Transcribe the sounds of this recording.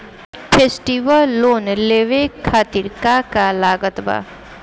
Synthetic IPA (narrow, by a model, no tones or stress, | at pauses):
pʰeːsʈiʋəlːoːnleːʋekʰaːt̪iɾkakalaːɡət̪ba̰ː